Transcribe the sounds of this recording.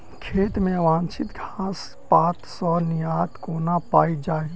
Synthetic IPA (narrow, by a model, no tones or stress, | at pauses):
kʰeːt̪mẽʋãnt͡ʃʰit̪ɡʱas | pat̪sɔ̃nijat̪konapaid͡ʒaːe